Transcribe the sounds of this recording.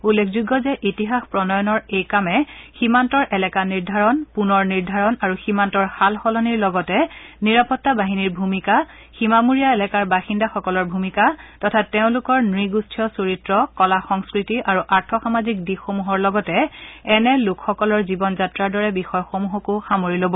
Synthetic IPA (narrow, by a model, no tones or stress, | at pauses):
ulːekʰzuɡɔzɛʔitiɦaxpɹɔnɔjɔnɔɹejkamɛximantɔɹʔɛlɛkaniɹdʱaɹɔnpunɔɹniɹdʱaɹɔnaɹuximantɔɹxalxɔlɔniɹlɔɡɔtɛniɹapɔtːabaɦiniɹbʱumika | ximamuɹijaɛlɛkaɹbaxindaxɔkɔlɔɹbʱumikatɔtʰatːeʊ̃lʊkɔɹnɹiɡustʰijɔsoɹitɹɔkɔlaxɔŋskɹitiʔaɹuʔaɹtʰɔxamazik̚dixomuɦɔɹlɔɡɔtɛɛnɛlʊkʰxɔkɔlɔɹzibɔnzatɹaɹdɔɹɛbixɔjɔxomuɦɔkʊxamoɹilobɔ